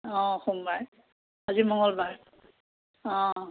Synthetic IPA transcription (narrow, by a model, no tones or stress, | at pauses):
ɔ̃xumbaj | azimɔŋɡɔlbaɹ | ɔ̃